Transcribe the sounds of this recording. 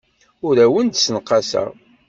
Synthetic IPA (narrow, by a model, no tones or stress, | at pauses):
ʊɾæwənd̪sənqːɑsæ̰ʁ